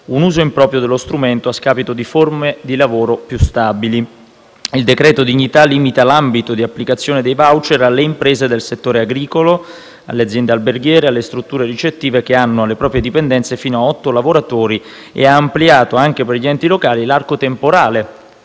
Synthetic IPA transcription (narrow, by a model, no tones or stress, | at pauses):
unuːzoimpɾɔːpɾjod̪elːost̪ɾument̪oaskaːpit̪od̪iformed̪ilavoːɾopjust̪abili | ild̪ekɾɛːt̪od̪iɲːit̪aliːmit̪alambit̪od̪iapːlikat̪sːjoːned̪ejvawt͡ʃeɾalːeimpɾeːzed̪elset̪ːoːɾeaɡɾiːkolo | a̰lːead̪zjɛnd̪ealberɡjɛːɾealːest̪ɾut̪ːuːɾeɾit͡ʃet̪ːiːvek̟eanːoalːepɾɔːpɾjed̪ipend̪ɛnt̪sefiːnoaɔt̪ːolavoɾat̪oːɾi | ḛaːmpliaːt̪oaŋk̟eperʎiɛnt̪ilokaːlilarkot̪empoɾaːle